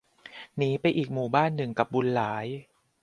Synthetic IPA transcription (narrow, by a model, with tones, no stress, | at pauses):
niː˦˥pa˧jʔiː˨˩k̚muː˨˩baː˥˩nːɯ˨˩ŋka˨˩p̚bu˧nlaː˩˦j